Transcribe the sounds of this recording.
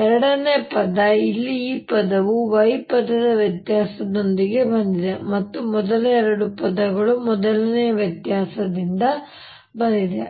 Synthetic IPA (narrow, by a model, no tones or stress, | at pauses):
ɛɾɐɽɐne̞ːpɐd̪ɐilːiːpɐd̪ɐʋuʋɐjpɐd̪ɐd̪ɐʋjɐt̪jaːsɐd̪o̞nd̪iɡe̞bɐnd̪id̪e̞mɐt̪ːumɔd̪ɐlɐɛɾɐɽupɐd̪ɐɡɐɭumɔd̪ɐlɐnejɐʋjɐt̪jaːsɐd̪ind̪ɐ | bɐnd̪id̪e